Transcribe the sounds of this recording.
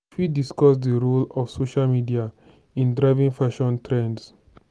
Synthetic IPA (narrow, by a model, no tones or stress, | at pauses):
fidiskɔsdəɹulɔfsoʃalmidia | ĩndɹaɪvĩŋfaʃɔ̃ntʰɹɛ̃nds